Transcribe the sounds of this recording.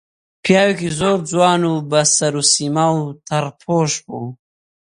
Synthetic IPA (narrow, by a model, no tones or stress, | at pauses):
pjɑːwikizoːɾd͡zwɑːnubasaɾusimawt̪ʰaɾpʰoːʃpo